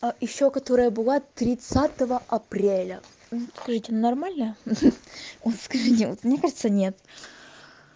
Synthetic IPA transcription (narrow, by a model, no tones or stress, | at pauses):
ajɪɕːokɐt̪o̞ɾəjəbɨlˠat̪ɾʲɪt̪sat̪əvəʔɐpɾʲelʲə | skɐʐɨtʲɪnɐrmalʲnə | ot̪skɐʐɨtʲɪot̪mnʲekaʐɨt̪sənʲet̪